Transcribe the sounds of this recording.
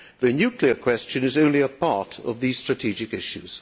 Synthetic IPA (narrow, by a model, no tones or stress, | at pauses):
ðɨnjʉkʰliə˞kʰw̥ɛst͡ʃɨ̃nɨzõʊ̃nliəpʰɑɹɾʌ̰vðiz̥stɹ̥ɨtʰid͡ʒɨkɪʃʉz̥